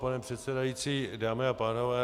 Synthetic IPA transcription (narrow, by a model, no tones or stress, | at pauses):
panɛpr̥ɛt̪sɛdajiːt͡siːdaːmɛapaːnovɛː